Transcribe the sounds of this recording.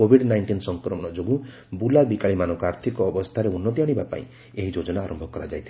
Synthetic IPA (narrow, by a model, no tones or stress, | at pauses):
obʱiɖnajɳʈinsɔŋkɾɔmɔɽ̃ɔd͡ʒoɡu | bulabikaɭimanɔŋkɔaɾt̪ʰikɔːbɔst̪ʰaɾeunːɔt̪iaɽ̃ibapa̰ḭ̃ | eɦid͡ʒod͡ʒɔnaːɾʔɔmbʱɔkɔɾad͡ʒajt̪ʰi